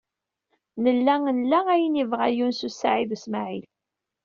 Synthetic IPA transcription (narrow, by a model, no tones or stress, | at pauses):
nəlːæŋnlːææjənivʁæjunsusaʕiðsmaʕil